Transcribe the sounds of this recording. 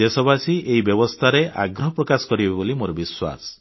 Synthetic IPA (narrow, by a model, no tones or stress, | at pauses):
esɔbasiʔeibjɔbɔst̪ʰaɾeʔa̰ɡɾɔɦɔpɾɔkasɔ̥kɔɾibebebolimoɾɔbiswa̰sɔ̥